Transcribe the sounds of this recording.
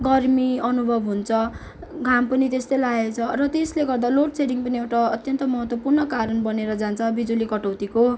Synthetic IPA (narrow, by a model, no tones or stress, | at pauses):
ɡʌrmiʌnubʱʌbɦunt͡sʰʌ | ɡʱampʌnit̪est̪ʌjlaet͡sʰʌrʌt̪esleɡʌrd̪aloʈseɾiŋpʌniewʈaʌt̪jʌnt̪ʌmʌɦʌt̪wʌpurnʌkaɾʌnbʌneɾʌd͡zant͡sʰʌbid͡zulikʌʈʌwt̪iko